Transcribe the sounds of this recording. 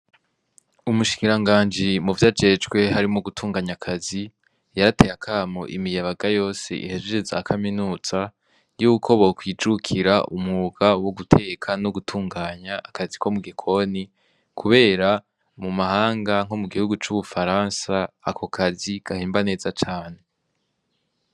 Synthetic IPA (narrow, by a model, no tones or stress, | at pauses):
umuʃi̥kiɾaŋɡaːnd͡ʒimuvjad͡ʒe̞d͡ʒɡwe̞ɦaɾimoɡutʰuːŋɡaːɲakʰazi | jaɾate̞jakʰaːmo̰ʔḭmijaβaɡajo̞ːsḛʔḭhed͡ʒeɾezakʰaminuːz̥a | juːkʰo̞βokwiːd͡ʒukʰiɾaʔumŋuɡ̥awoɡutʰe̞kʰanoɡutʰuːŋɡaːɲaʔːkaziko̞muɡekʰo̞ni | kʰuβe̞ːɾa | mumahaːŋɡaŋ̥omuɡihuɡut͡ʃuβufaɾaːnsaːkʰo̞kʰaziɡ̥ahiːmbane̞ːzat͡ʃaːne̞